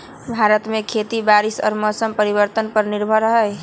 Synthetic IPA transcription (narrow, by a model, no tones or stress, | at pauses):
bʱaɾət̪mekʰet̪ibaɾisɔ̰ːɾmɔsəmpəɾiβəɾt̪ənpəɾniɾbʱəɾəɦəj